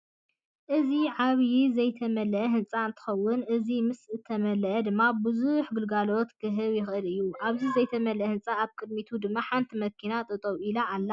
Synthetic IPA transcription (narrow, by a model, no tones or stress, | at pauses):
ʔɨziʕaβjizɐjt̪ʰɐmɐlʔɦɨnt͡sʼaɨnt̪ʰɨ̥xɐwːʊnʔɨzimɨsɨt̪ʰːɐmɐlɐʔɐd̪ɨmːabɨzuħɡɨlɡalo̞t̪kʰɨɦɨβjɪxʔɨlɨjːuʔaβzizɐjt̪ʰɐmɐlʔhɨnt͡sʼaaβkʼɨd̪̚mit̪ʰud̪ɨmːaħant̪ʰimɐkʰinat̪ʼɨt̪ʼowilaalːa